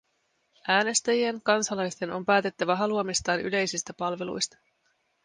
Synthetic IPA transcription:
ʔæːne̞st̪æjie̞ŋkɑnsɑlɑjst̪e̞no̞̰mpæːt̪e̞t̪ːæʋæɦɑluomist̪ɑːny̰le̞jsist̪æpɑlʋe̞lṵjst̪ɑ̥

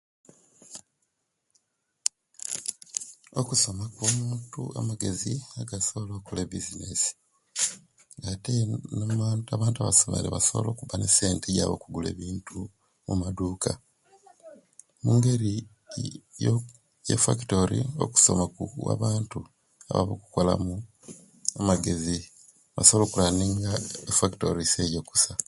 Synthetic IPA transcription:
okuso̞makwomuːntṵa̰maɡe̞ziaɡasoβolo̞ːkolebizinesi̥ | ŋɡatenmːtaβaːntuaβaso̞mḛɾḛβasoβo̰lo̞ːkuβanese̞ːnteja̰βo̰kuɡule̞̰ːβiːntʰu | mumaduːkʰa | muŋɡe̞ɾi | jo | jḛfa̰ki̥to̞ɾḭo̞̰ku̥so̞makua̰βaːntu | a̰βa̰βoku̥ko̞la̰mu | amaɡe̞zi | βa̰soβlo̞ːkulaniːŋɡaefaktoɾisejo̞ku̥sa

